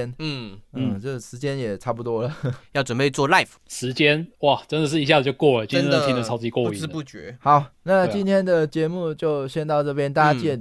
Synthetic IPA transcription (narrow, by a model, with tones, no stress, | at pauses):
ɛ˥nn̩˥˩n̩˥˩ʈ͡ʂə˥˩ɡʂɻ̩˧˥t͡ɕjɛ˥njɛ˨˩ʈ͡ʂʰa˥˩pu˨˩t̪wɔ˥lə˨jɑ˥˩ʊʈ͡ʂwə˨˩npe˥˧ɪt͡swɔ˥˧la˥˩ɪfʂɻ̩˧˥t͡ɕjɛ˥nwa˥˨˩ʈ͡ʂə˥nd̪ə˨ʂɻ̩˥˩i˧˥ɕja˥˩zt͡ɕjo˥˧kwɔ˥˩lə˩t͡ɕi˥t̪ʰi˥˧˥ʊt͡s̩˥˩i˨˧wɔ˥˧˨ʂ̩˥˧pu˥˩t͡ɕɥɛ̰˧˥xɑ˨˦ʊna˥˧t͡ɕi˥nt̪ʰjɛ˥nd̪ə˨t͡ɕjɛ˧˥mu˥˧t͡ɕjo˥˧ʊɕjɛ˥˧nt̪ɑ˥˧ʊʈ͡ʂɤ˥˩pjɛ˥nt̪a˥˧t͡ɕjɛ˥˩n